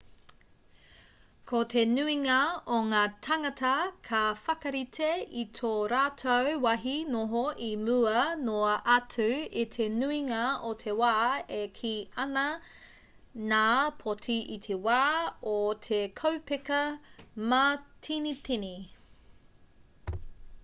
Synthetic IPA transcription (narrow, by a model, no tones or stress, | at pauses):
kʰotʰe̞nʉiŋɐoŋaːtʰɐŋɐtɐkʰɐfɐkɐɾitʰeitʰoːɾaːtʰowwɐɦinoɦoʔimuɐnoɐʔɐtʰʉitʰenuiŋɐotʰewaːekʰiʔɐnɐ | naːpʰotʰiʔitʰewaːot̪ʰekʰowpekɐmaːtʰinit̪ini